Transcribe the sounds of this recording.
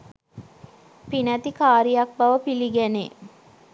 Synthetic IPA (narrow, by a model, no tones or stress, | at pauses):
pinæt̪ikaːɾijak̚baʋəpiliɡænḛ